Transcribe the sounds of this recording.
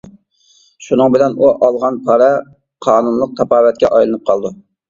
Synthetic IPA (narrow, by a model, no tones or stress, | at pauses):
ʃunɨŋbɪlɛnuʔɑlˠʁɑnpʰɑɾɛ | qʰɑːnunlˠəq̚t̪ʰɑpɑːwɛt̪̚kʲɛʔɑjlˠɨnɨp̚qʰɑlˠd̪u